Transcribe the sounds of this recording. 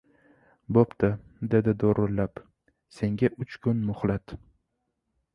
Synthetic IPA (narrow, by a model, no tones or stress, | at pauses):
bopt̪ʰad̪e̞d̪ɪd̪oɾʊlːap | se̞ŋɡʲaʔʊt͡ʃkʰʊnmʊχlat̪